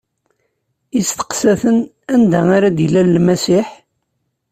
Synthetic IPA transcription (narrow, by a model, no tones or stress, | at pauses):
ist̪ə̥qsæθən | ænd̪æaɾad̪ilælːmæsiħ